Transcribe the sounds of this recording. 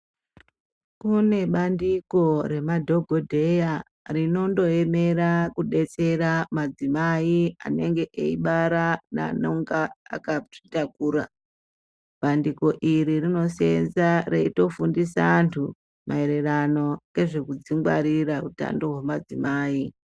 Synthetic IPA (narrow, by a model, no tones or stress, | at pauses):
kune̞ɓandiko̞re̞madʱo̞ɡʱo̞dʱe̞ja | rino̞ndo̞e̞me̞ɾakuɗe̞t͡se̞ɾamad͡zimaia̰ne̞ŋɡe̞ʔeiɓaɾana̰noŋɡaa̰kai̥takuːɾa | ɓandiko̞ʔiɾirino̞se̞nzareito̞fundisaantʰu | mʔae̞ɾe̞rano̞ke̞ʐe̞kud͡ziŋɡwa̰ɾirauta̰ndo̞ɦwemad͡zimaːi